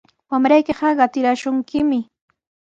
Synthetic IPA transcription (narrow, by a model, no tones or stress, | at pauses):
wamɾajkɪɢɑɢɑt̪ɪɾaʃʊŋkɪmɪ